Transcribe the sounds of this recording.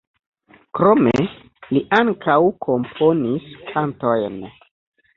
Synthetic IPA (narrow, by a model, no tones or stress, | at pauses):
kɾo̞me | liʔaŋkawkʰo̞mpʰo̞niskʰanto̞jn